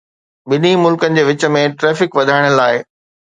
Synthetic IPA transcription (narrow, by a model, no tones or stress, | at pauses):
ɓɪnimʊlkənɪ̆d͡ʑeːʋɪt͡ɕə̆mẽʈɾɛːfɪkʋɐd̪ʱaːɪɽ̃əlaːɪ